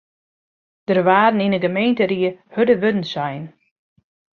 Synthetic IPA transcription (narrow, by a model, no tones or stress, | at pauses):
d̥ərʋaːdn̩inəɡəmejntəɾiəhødəʋødn̩sɛjn